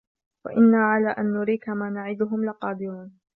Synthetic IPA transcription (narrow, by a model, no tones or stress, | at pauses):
wa̰ʔɪnːaːʕalaːʔanːʊɾiːkamaːnaʕɪd̪ʊɦʊmlɪqɑːd̪ɪɾuːn